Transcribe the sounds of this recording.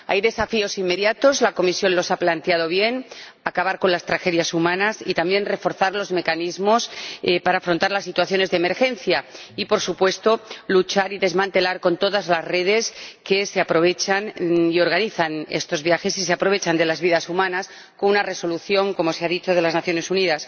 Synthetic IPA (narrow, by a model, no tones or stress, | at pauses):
a̰jðe̞safio̞simːe̞ðjat̪o̞zlako̞misjo̞nlo̞saplant̪eað̞o̞βje̞n | akaβaɾko̞nlast̪ɾaxe̞ðjasumãnasit̪ambje̞nre̞fo̞ɾθaɾlo̞zme̞kanizmo̞spaɾaːfɾo̞nt̪aɾlasːit̪waθjo̞ne̞zðeme̞ɾxe̞n̟θjaipo̞ɾsupwe̞st̪o̞lut͡ʃaɾiðe̞zmãnt̪e̞laɾko̞nt̪o̞ðazlaszre̞ð̞e̞ske̞seapɾo̞βe̞t͡ʃanio̞ɾɣaniθane̞̰st̪o̞zβjaxe̞siseapɾo̞βe̞t͡ʃand̪e̞lazβiðasumãnas | konunare̞so̞luθjo̞ŋko̞mo̞seaðit͡ʃo̞ð̞e̞laznaθjo̞nesuniðas